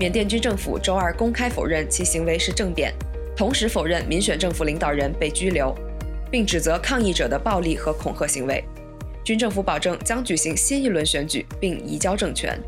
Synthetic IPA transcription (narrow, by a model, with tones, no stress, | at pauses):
mjɛ˨˩nt̪jɛ˥˩nt͡ɕy˥nʈ͡ʂɤ˥˩ŋfṵ˨˩ʈ͡ʂo˥ʊə˞˥˩kʊ˥ŋkʰa˥ɪfo˨˩ʊɻə˥˩nt͡ɕʰi˧˥ɕi˧˥ŋwe˧˥ɪʂɻ̩˥˧ʈ͡ʂɤ˥˩ŋt̪jɛ̰˨˩˦n | t̪ʰʊ˧˥ŋʂɻ̩˧˥fo˨˩ʊɻə˥˩nmi˧˥nɕɥɛ˨˩nʈ͡ʂɤ˥˩ŋfu˨˩li˧˥ŋt̪ɑ˨˩ʊɻə˧˥npe˥˩ɪt͡ɕy˥ljo˧˥ʊ | pi˥˩ŋʈ͡ʂɻ̩˨˩t͡sɤ˧˥kʰɑ˥˧ŋi˥˩ʈ͡ʂɤ˨˩d̪ə˦pɑ˥˧ʊli˥˩xɤ˧˥kʰʊ˨˩ŋxʰɤ˥˩ɕi˧˥ŋwe˧˥ɪ | t͡ɕy˥nʈ͡ʂɤ˥˩ŋfu˧˥pɑ˨˩ʊʈ͡ʂɤ˥˩ŋt͡ɕjɑ˥ŋt͡ɕy˨˩ɕi˧˥ŋɕi˥ni˥˩lwə˧˥nɕɥɛ˧˥nt͡ɕy̰˨˩pi˥˩ŋḭ˧˥t͡ɕjɑ˥ʊʈ͡ʂɤ˥˩ŋt͡ɕʰɥɛ̰˧˥n